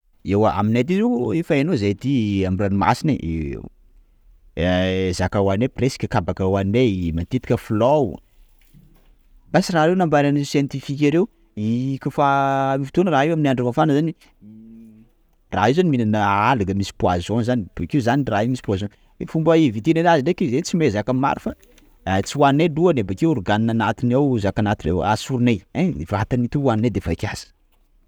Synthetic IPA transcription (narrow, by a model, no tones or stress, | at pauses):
ewaa̰minat̪̬izeefaenozet̪iamranima̰sineʔḛ | ezakawanepresi̥kʲəkabakawanemant̪it̪i̥kʲəflow | b̥asiraɾewnambaɾanisjent̪ifik̬ʲaɾew | ikʲufaifi̥t̪onəraewaminaɳɖ͡ʐavafanəzani | ra̰ezaniminanəalaɡəmisi̥pwa̰zonzanib̥keuzaniraemisi̥puazon | fumbəivit̪inenaziɖ͡ʐekezet͡simezakamma̰ɾifa | t͡siwanineluanebakewɾuɡaninanat̪inawzakanat̪iḛwa̰suɾunejavaat̪anit̪uwaninad̪efaikʲaz̥ə̥